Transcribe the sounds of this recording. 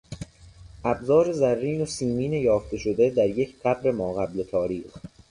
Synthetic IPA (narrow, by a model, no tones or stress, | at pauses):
ʔæbzɒːɾe̞zærːiːnosiːmiːnejɒːft̪e̞ʃod̪ed̪æɾje̞cʰt̪ʰæbɾe̞mɒːɣæble̞t̪ʰɒːɾiːx